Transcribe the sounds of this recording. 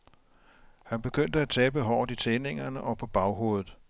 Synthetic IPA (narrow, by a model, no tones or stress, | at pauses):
hænb̥e̝ɡ̥øn̰d̥əæt͡sʰɛ̰ːb̥əɦɒ̰ːdˠit͡sʰene̝ŋɐnəʔɒ̽pʰɒ̽b̥ɑ̈ʊɦo̝̰ːðð̩ˠ